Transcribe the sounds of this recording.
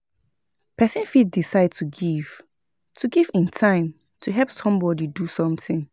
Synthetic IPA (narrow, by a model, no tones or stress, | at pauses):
pʰɛsɪ̃nfid̚disaɪd̚tʰuɡiv̥ | tʰuɡivɪ̃ntʰãɪ̃m | tʰuɦɛlpsɔ̃mbɔdidusɔ̃mθɪ̃ŋ